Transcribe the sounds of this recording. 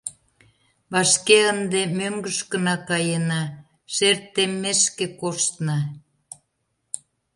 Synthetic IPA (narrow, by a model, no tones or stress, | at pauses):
βɑʃkeənd̪emøŋɡə̆ʃkə̆nɑkɑjenɑ | ʃert̪ːemːeʃkekoʃt̪nɑ